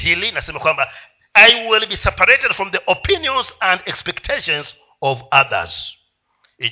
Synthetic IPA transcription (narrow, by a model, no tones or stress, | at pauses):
hilinasẽmakwãmba | ajwilˠbisɛpəɹetɛd̥fɹɔ̃mðiʔɔpʰĩnjɔ̃nzæ̃ndɛkspɛktʰeʃɔ̃nz | ɔvaðə̰z̥ | i